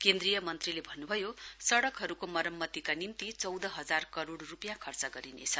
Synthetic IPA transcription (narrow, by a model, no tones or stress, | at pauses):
kend̪rijʌmʌnt̪rilebʱʌnːubʱʌjosʌɽʌkɦʌɾukomʌɾʌmːʌt̪ikanimt̪it͡sʌwd̪ʌɦʌd͡zarkʌɾoɽrupjãkʰʌrt͡sʌɡʌɾinḛt͡sʰʌ